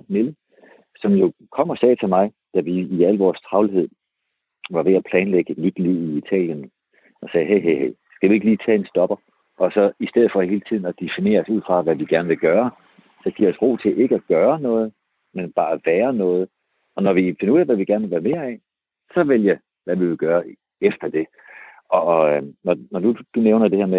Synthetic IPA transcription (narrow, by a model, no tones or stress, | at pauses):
nelə | sɒ̽mjo̝kʰɒ̽m̰ɒ̽sɛːt͡sʰe̝lmɑ̈ɪ | d̥æʋiːæl̰ʋɒːst͡sʰʁɑ̈ʊliɦe̝ð̞̰ˠ | ʋɑ̈ʋe̝æpʰlɛːnleɡ̥ənyd̥liʊ̰iit͡sʰɛ̰ːljən | ɒ̽sɛːɦeɪɦeɦeɪ̰sɡ̥æʋie̝ɡ̥liːt͡sʰɛ̰ːe̝nsd̥ɒ̽b̥ɐ | ʔɒ̽sɒ̽isd̥eð̩ˠfɒ̽he̝ːlət͡sʰið̞̰ˠn̩ɒd̥efine̝̰ːɐsuð̞̰ˠfʁɑ̈ʋæʋiɡ̥æɐnəʋe̝lɡ̥ɶːɐ | sɒ̽ɡ̥iɐɒsʁo̝̰ːt͡sʰe̝ʔe̝ɡəæɡ̥ɶːɐnɔ̽ːð̞̩ˠ | menb̥ɑ̈ːæʋæːɐnɔ̽ːð̞̩ˠ | ɒ̽nɒʋife̝nɐuð̰ˠɛʋæʋiɡ̥æɐnʋelʋæːɐme̝ːɐɛ | sɒ̽ʋeljɑ | ʋæʋiʋe̝lɡ̥ɶːɐ | efd̥ɐd̥e̝ | ɒ̽nɒnɒd̥ud̥uneʊnɐd̥e̝heɐme